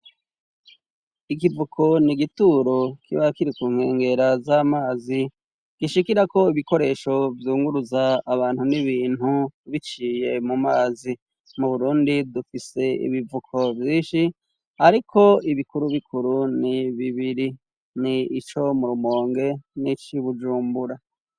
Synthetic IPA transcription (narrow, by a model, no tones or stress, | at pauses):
ik̬ivukʰo̞niɡituːɾo̞kiβakiɾikuːŋ̥he̞ːŋɡe̞ɾazaːmaːzi | ɡ̥iʃikiɾako̞iβiko̞ɾe̞ːʃo̞vjuːŋɡuɾuzaːβaːn̥huniβiːn̥huβit͡ʃiːje̞mumaːzi | muβuɾuːndidufise̞ḭβivukʰo̞vjiːnʃi | aɾikʰo̞iβikuɾuβikʰuɾuniβiβiɾi | niːt͡ʃo̞muɾumo̞ːŋɡe̞nit͡ʃiβud͡ʒuːmbuɾa